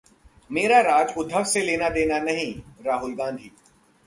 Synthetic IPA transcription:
meːɾaɾaːd͡ʒʊd̪ʱəʋseleːnad̪eːnanɐɦĩɾaːɦʊlɡãːnd̪ʱiː

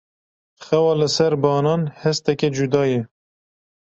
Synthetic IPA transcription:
xɛwɑːlɨsɛɾbɑːnɑːnhɛst̪ɛked͡ʒud̪ɑːjɛ

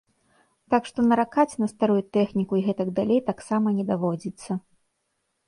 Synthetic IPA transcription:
t̪akʂt̪ɔnɐɾakat͡sʲnɐst̪aɾujut̪ɛxnʲikuiɣɛt̪ɐɡd̪alʲejt̪aksamɐnʲɛd̪avɔd͡zʲit̪sːɐ

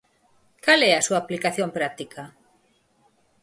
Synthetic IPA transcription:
kalɛasuaːplikaθjõmpɾat̪ikʰa

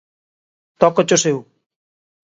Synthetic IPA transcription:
t̪ɔkɔt͡ɕosew

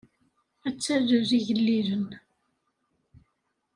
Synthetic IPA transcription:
æt͡sːæðəziʝəlːiɾən

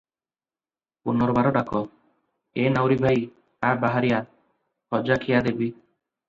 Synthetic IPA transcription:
punɔɾɔbaɾɔɖakɔ | enawɾibʱaj | abaɦaɾija | hɔd͡ʒakʰijad̪ebi

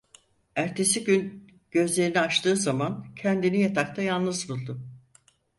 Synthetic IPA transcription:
æɾt̪ʰe̞siɟyn | ɟ̥ø̞zlʲe̞ɾiniat͡ʃt̪ʰɯːzamancʰɛnd̪inijat̪ʰak̚t̪ʰajanˠnɯzbulˠd̪ʊ

